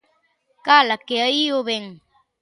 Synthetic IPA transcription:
kalakeəioβeŋ

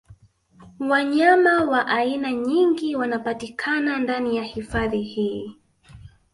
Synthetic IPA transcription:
waɲamawaʔainaɲiŋɡiwanapatikʰanandanijahifaðihiː

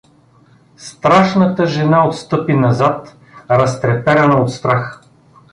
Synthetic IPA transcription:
st̪ɾaʃnət̪əʒɛnaot̪st̪ɤpinɐzat̪ | ɾɐst̪ɾɛpɛɾɐnəot̪st̪ɾax

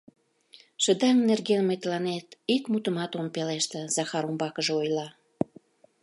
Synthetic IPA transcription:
ʃəd̪ɑŋnerɣenmet̪lɑnet̪ikmut̪əmɑt̪ompeleʃt̪ĕzɑxɑɾumbɑkəʒeojlɑ

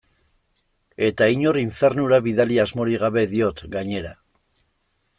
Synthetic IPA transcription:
e̞t̪aiɲo̞ɾiɱfe̞ɾnuɾaβiðaliazmo̞ɾiɣaβe̞ðio̞t̪ɡaɲe̞ɾa

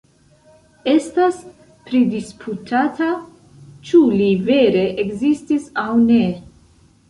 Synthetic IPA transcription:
estas | pɾidispʰutʰatʰa | t͡ʃuliveɾe̞ʔekzistisawne

